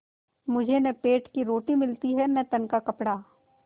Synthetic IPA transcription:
mʊd͡ʒʱenẽpeːʈkiɾoːʈimɪlt̪iɦɛnɛ̃t̪ɐnkakɐpɽaː

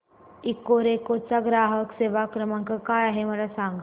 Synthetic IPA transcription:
ikːoɾekot͡saɡɾaɦəkseʋakɾəmaŋkəkajaɦeməlasaŋɡ

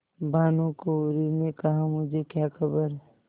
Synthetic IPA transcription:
bʱaːnũkoɾinekəɦãmʊd͡ʒʱekjakʰəbəɾɦ

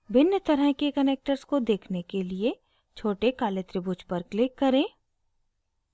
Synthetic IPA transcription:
bɪnjət̪ɐɾəɦkekɐneːk̚ʈəɾskod̪eːkʰnekelie | t͡ʃʰoːʈekaːlet̪ɾɪbʊt͡ʃpɐɾklɪkːɐɾẽː

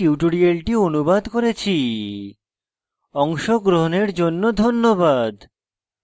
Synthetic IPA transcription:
iʈoɽialʈionubad̪koɾet͡ɕʰi | ɔŋʃoɡɾoɦoneɾd͡ʑonːod̪ʱonːobad̪

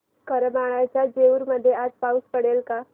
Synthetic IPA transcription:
kəɾəmaɭajt͡ɕjad͡ʑeuɾməd̪ʱːjead͡zpauspəɽelka

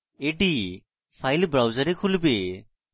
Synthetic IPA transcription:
eɖi | pʰajlbɾawzəɾekʰulbe

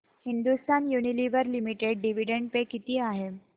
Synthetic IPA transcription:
hind̪ust̪anjuniliʋəɾlimiʈeɖɖiʋ̤iɖeɳɖpekit̪iːaɦe

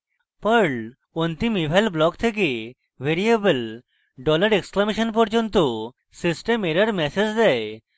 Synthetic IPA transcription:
pəɾɳɖ | ɔnt̪imibʱalblɔkt̪ʰek̬i | ʋeɾiebəl | ɖɔləɾeksklameɕənpɔɾd͡ʑɔnt̪u | sisʈemeɾaɾmɛsed͡ʑd̪ɛj

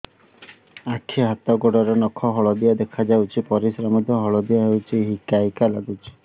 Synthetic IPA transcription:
akʰːiɦat̪ɔɡɔɽɔɾenɔkʰɔɦɔɭɔd̪ijad̪ekʰad͡ʒawt͡ʃʰipɔɾisɾamɔd̪ʱjɔɦɔɭɔd̪ijaɦewt͡ʃʰiɦikajkalaɡut͡ʃʰi̥

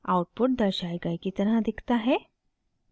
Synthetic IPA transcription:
a̰wʈ̚puʈ̚d̪əɾɕajɡajkit̪ənɦãd̪ikʰt̪aɦe

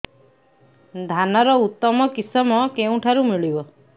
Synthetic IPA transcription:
d̪ʱanɔɾɔut̪ːɔmɔkisɔmɔkeũʈʰaɾumiɭibɔ

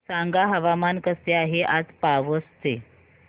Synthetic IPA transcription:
saŋɡaɦəʋamankəst̪eaɦeʔad͡zpaʋəst̪e

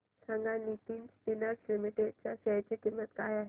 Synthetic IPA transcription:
sʰãŋɡanit̪iːnsʈinəɾslimiʈeɖ̚t͡ɕaɕəjt͡ɕikimːət̪kaːjaɦɛ

